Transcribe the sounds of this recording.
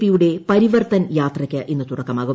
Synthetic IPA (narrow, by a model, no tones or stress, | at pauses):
pːijuɽe̞pɐɾiʋɐrt̪ɐnjaːt̪rɐkʲːɨʔinːɨt̪uɽɐkːɐmaːɣu